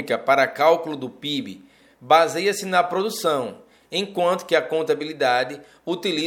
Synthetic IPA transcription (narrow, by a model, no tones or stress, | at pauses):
ikɐpaɾɐkawkulʊd̪ʊpibɪ̰ | bazejɐsɪnɐpɾod̪usɐ̃w̃ | ẽj̃kwɐ̃nt̪ʊ̥kɪɐkõnt̪abilid̪ad̪ɪ | ut̪ili